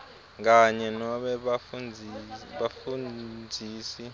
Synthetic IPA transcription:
k̬aɲɛnɔɓɛ | ɓafund͡zʱiːsi

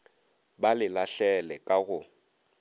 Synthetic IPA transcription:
balɪlaɬɛlɛkʼaɣʊ

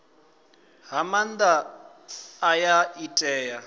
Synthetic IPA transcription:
ɦamand̪aː | jaitʼɛːja

